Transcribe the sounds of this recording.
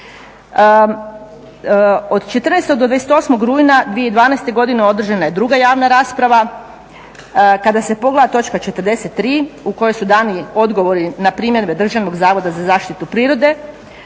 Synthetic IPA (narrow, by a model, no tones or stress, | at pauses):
od̪t͡ʃe̞t̪r̩nest̪od̪oeese̥t̪o̞smo̞ɡɾuːjnad̪ʋije̞id̪ʋaːnest̪e̞ɡo̞d̪ineo̞d̪r̩ʒanaje̞d̪ɾuɡajaːʋnaɾaːspɾaʋa | kad̪ase̞po̞ɡled̪at̪o̞t͡ʃkat͡ʃe̞t̪rd̪e̞se̞t̪ːɾiːuko̞jo̞jsud̪aːnio̞d̪ɡo̞ʋo̞ɾinapɾiːmjeɾbe̞d̪r̩ʒaʋno̞ɡzaːʋo̞d̪azazaːʃt̪it̪upɾiːɾo̞d̪e̞